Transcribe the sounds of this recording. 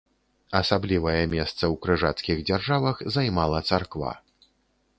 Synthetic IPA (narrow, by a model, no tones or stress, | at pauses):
ɐsablʲivɐjɛmʲɛst̪sɐwkɾɨʐat̪skʲiɣd͡zʲarʐavɐxzajmalˠɐt̪sarkva̰